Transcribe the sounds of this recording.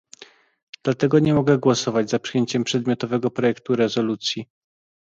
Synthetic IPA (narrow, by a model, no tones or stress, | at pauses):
d̪̥lat̪ɛɡɔɲɛmɔɡɛɡwɔsɔvad͡ʑzapʂɨjeɲt͡ɕɛmpʂɛd̪̚mʲjɔt̪ɔvɛɡɔpɾɔjɛkt̪uɾɛzɔlut̪sʲji